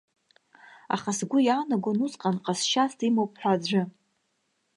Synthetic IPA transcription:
a̰χasɡʷʊjaːnaɡonuzʼqʼanqʼasʃastʰʼimowp̚ʰʼħʷad͡zʷɨ

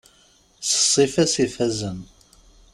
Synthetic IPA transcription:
sə̥sˤːifæsifæzən

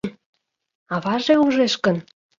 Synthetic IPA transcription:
ɑβɑʒeuʒeʃkə̆n

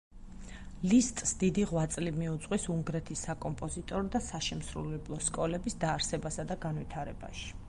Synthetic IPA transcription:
list̪ʼsd̪̥id̪iʁwat̪sʼlimiut̪sʼqʼwisuŋɡɾɛt̪ʰisːakʼɔmpʼɔzit̪ʼɔɾɔd̪asaʃɛmsɾṵlɛblˠɔskʼɔlɛbisd̪aːɾsɛbasad̪aɡanvit̪ʰaɾɛba̰ʃi̥

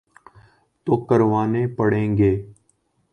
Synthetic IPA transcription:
t̪oːkəɾʋaːneːpəɽ̤ẽːŋɡeː

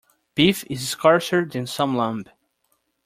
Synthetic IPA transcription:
b̥ifɪzskʰɑɹsə˞dɨ̃nsʌ̃mlʌ̃mb

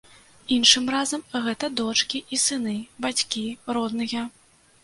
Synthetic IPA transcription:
inʂɨmrazɐmɣɛt̪ɐd̪ɔt͡ʂkʲiʔisɨnɨbat͡sʲkʲiɾɔd̪nɨjɐ

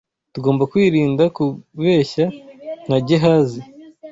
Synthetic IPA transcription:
tuɡo̞ːmbakwiːɾiːndakuβe̞ːçaŋ̥haɟeɦazi

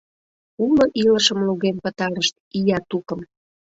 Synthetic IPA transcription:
uloʔiləʃəmluɣempət̪ɑɾəʃt̪̚ijɑt̪ukə̆m

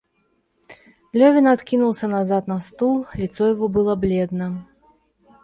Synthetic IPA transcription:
lʲɔvʲinat̪kʲinulˠsʲɐnazat̪nɐst̪ulˠlʲit̪sɔjaɣɔbɨlˠɐblʲɛd̪nɐ

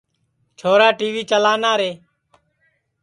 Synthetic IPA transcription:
t͡ʃʰoːɾaːʈiːʋiːt͡ʃəlaːnaːɾeː

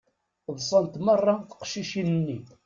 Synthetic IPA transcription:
ðˤsˤənt̪mərˤːɑθə̥qʃiʃinənːi

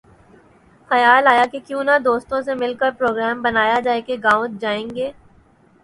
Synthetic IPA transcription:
xɐjaːlaːjakekjũːnad̪oːst̪õsemɪlkəɾpɾoːɡɾɛːmbɐnaːjad͡ʒaːekeɡaːʊ̃t̪̚d͡ʒaːẽːŋɡeː

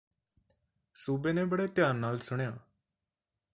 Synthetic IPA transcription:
suːbeːnẽːbəɽeːt̪jãːnːaːlsʊɳjaː

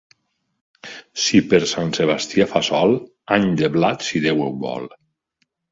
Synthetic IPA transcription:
sipeɾsanseβ̞ast̪iafasɔlˠ | aɲd̪eβlat̪siðewewβɔ̰lˠ

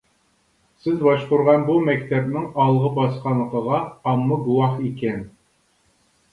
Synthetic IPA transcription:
sɪzbɑʃqʊɾʁɑnbumɛkʲt̪ʰɛbnɪŋɑlˠʁəbɑsqɑnːəqəʁɑːmːəɡuwɑχikʲɛn

